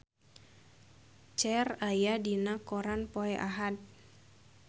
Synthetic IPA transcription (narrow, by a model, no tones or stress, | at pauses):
t͡ʃɛrajadinakoɾanpoɛʔaɦat̪̚